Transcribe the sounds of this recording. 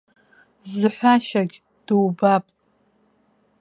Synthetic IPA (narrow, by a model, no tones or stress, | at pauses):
zɨħʷaʃaɡʲ | d̥ɨwbapʼ